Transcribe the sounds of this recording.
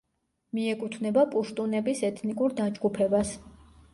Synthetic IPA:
miɛkʼut̪ʰvnɛbapʼuʃt̪ʼunɛbisɛt̪ʰnikʼuɾd̪ad͡ʒɡupʰɛbas

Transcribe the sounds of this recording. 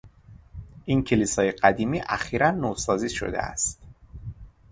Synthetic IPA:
ʔincʰe̞liːsɒːjeɢæd̪iːmiːʔæxiːɾænːoːsɒːziːʃo̰d̪e̞̰æ̰st̪

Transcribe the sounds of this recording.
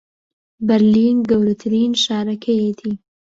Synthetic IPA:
bɐɾliːnɡɐwɾɐt̪ʰɨɾiːnʃaːɾɐkʰɐjet̪ʰiː

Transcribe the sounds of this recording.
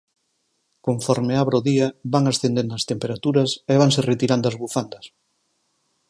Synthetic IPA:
koɱfɔɾmeaβɾoðiɐβaŋasθend̪end̪ɐst̪empeɾat̪uɾɐseβaŋseret̪iɾand̪oɐzβufand̪ɐs

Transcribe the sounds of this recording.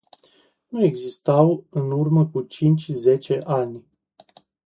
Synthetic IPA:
nue̞ɡzist̪awɨnurməkut͡ʃint͡ʃʲze̞t͡ʃe̞ʔanʲ

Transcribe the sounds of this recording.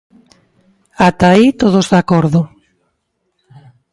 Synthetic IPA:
at̪ait̪oðozðakoɾðʊ

